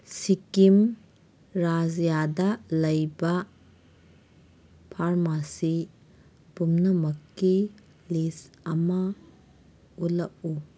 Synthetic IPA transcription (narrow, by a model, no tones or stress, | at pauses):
sikim | ɾazjadɐlɐjbɐ | pʰaɾmasi | pumnɐmɐkːi | lisɐmɐ | ulɐʔ̚u